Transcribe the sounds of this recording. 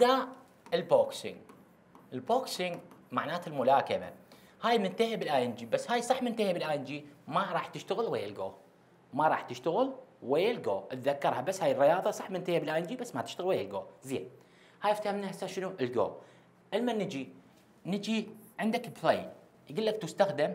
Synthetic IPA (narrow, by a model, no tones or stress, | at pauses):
d̪a | ɪlboksɪ̰ŋ | ʔɪlboːksɪŋmaʕnaːt̪ɪlmʊlaːkama̰ | haːjmɪnt̪aɦɪbɪlʔaːʔɪnd͡ʒiːbasːhaːjsˤɑħmɪnt̪ahɪbɪlʔaːʔɪnd͡ʒiːmaɾˤɑːħt̪ɪʃt̪aɣəlwajːalɡo̰ː | maɾˤɑːħt̪əʃt̪aɣəlwajːalɡoːʔɪt̪ðakːɑɾˤhabasːhaːjɪrːɪjɑːðˤɑsˤɑħmɪnt̪ahibɪlʔaːʔɪnd͡ʒiːbasːmat̪ɪ̥ʃt̪aɣəlwajːalɡoːzḛːn | haːjɪft̪ahamnahasaːʃənuʔɪlɡo̰ː | ʔɪlmanɪd͡ʒi | nɪd͡ʒiʕɪnd̪akblˤeː | jɡuːlːak̚t̪ʊst̪axd̪am